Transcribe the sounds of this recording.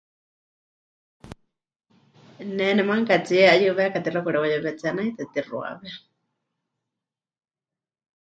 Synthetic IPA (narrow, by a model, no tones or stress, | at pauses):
nɛnɛmaŋkat͡siɛajuβɛkat̪iɾakuɾɛwajɛβɛt͡sanajt̪ɛt̪irwa̰βɛ